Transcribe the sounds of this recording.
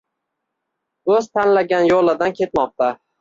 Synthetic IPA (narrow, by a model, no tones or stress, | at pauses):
ɵzt̪ʰanlaɡʲanjolˠɪd̪ankʲʰe̞t̪mɒq̚t̪ʰa